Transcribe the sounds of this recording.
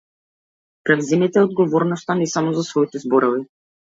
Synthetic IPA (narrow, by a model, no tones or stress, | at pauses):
pɾɛvzɛmit̪ɛɔd̪̚ɡɔvɔɾnɔst̪anɛsamɔzasvɔit̪ɛzbɔɾɔvi